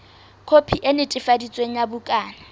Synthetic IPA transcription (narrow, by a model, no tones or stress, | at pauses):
kʰopʰiʔenɪtʼɪfadit͡sʼweŋ̩jabʊkʼaːna